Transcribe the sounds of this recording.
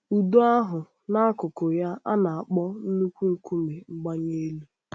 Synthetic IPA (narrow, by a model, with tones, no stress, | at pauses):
u˨do˦a˦ɦʊ˨ | na˦a˦kʊ˨kʊ˨ja˦ʔa˦na˨a˨k͡pɔ˦n̩˦nu˦kʷu˦ŋ̩˨kʷu˦me˨ŋ͡m̩˦ɡ͡ba˦ɲe˦e˦lu˦